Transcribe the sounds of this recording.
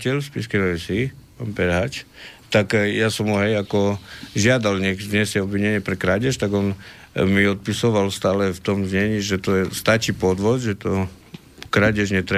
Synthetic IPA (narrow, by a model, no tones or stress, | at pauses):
cɛʎspḭskɛnɔɛsipaːnpɛɾɦaːt͡ʃt̪akjasɔmɔɦɛjakɔʒɪad̪alɲɛɡzɲɛsjɛɔbʋiɲɛɲɪɛpɾɛkɾaɟɛʃt̪aɡɔn | miɔt̪̚pisɔʋalst̪aːlɛft̪ɔmzɲɛɲiʒɛt̪ɔjɛst̪at͡ʃiːpɔd̪ʋɔzʒɛt̪ɔ | kɾaɟɛʒɲɛt̪ɾɛ